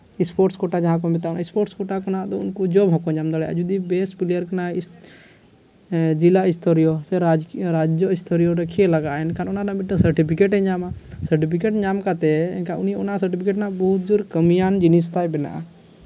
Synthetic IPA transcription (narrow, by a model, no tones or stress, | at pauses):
ɪspoːɾʈskoʈaːd͡ʒəɦãkomɪt̪anaɪspoʈskoʈakonaːt̪oʊnkod͡ʒobɦokõɲaːmd̪əɽeə̰d͡ʒud̪ibeːspilijəɾkna | d͡ʒilaɪst̪ʰoɾijoseɾad͡ʒɾaːd͡ʒd͡ʒjoɪst̪ʰoɾijoɾəkʰieləɡaːɛnkanʊnãːnãmɪʈə̃səɾʈipʰikeʈẽɲaːmasəɾʈipʰikeːʈɲaːmkat̪ekaʊnionas̬əɾʈipʰikeːʈnãbɔɦʊt̪̚d͡ʒuɾkəmijaːnd͡ʒinist̪aːjbɪna̰ʔ